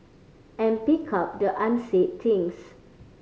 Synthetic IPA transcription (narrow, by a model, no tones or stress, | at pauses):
ɛ̃npikʰap̚dəʔãnsett̪ʰĩŋs